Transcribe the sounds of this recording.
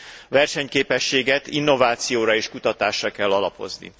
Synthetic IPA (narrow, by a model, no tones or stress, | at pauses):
vɛrʃɛɲkeːpɛʃːeːɡɛt̪inːo̞vaːt̪sijoːɾɒeːʃkut̪ɒt̪aːʃrɒkɛlːɒlɒpo̞̰znḭ